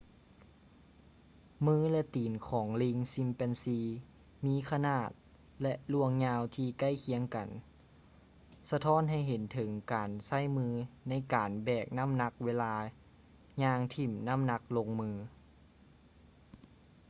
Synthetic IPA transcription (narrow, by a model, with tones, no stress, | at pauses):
mɯː˧˥˨lɛ˧t̪iː˨˩nkʰɔː˩˦ŋli˧ŋsi˧˥mpɛ˧nsiː˧ | miː˧˥˨kʰa˧naː˧˩t̪̚ | lɛ˧ʔlu˧˩əŋɲaː˧wt̪ʰiː˧ka˧˥˩jkʰi˧˦əŋka˨˩n | sa˧t̪ʰɔː˧˥˨nɦa˧˩jɦe˨˦nt̪ʰɤ˩˦ŋkaː˨˩nsa˧˥˨jmɯː˧˥na˧˥˨jkaː˨˩nbɛː˨˩k̚na˧˥˨mna˧˥k̚weː˧laː˧ | ɲaː˧ŋt̪ʰi˧˩mna˧˥˨mna˧˥k̚lo˧ŋmɯː˧